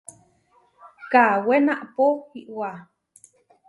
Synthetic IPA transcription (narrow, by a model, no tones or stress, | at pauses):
kawenaʔpoiʔwa